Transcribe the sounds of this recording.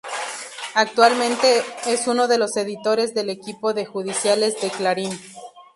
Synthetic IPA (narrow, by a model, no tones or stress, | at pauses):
ak̚t̪walmẽnt̪e̞esuno̞ðe̞lo̞se̞ðit̪o̞ɾe̞zðe̞le̞kipo̞ðe̞xuð̞isjale̞zðe̞klaɾin